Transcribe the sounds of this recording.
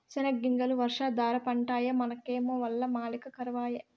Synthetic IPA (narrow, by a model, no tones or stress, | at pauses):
t͡ʃɐnɐɡːiŋɡɐluʋɐɾʂaːd̪aːɾɐpɐɳʈaːjɐmɐnɐkeːmoːʋɐlːɐmaːlikɐkɐɾɐʋaːjɐ